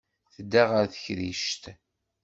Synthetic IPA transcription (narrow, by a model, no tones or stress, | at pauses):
θəd̪ːæʁəɾθəçɾiʃt̪